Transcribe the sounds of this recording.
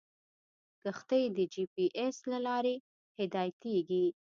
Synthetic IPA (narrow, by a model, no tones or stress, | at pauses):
ɡ̥əxt̪əjd̪əd͡ʒipiʔeslalɑɾe | hɪd̪ɑjt̪eɡi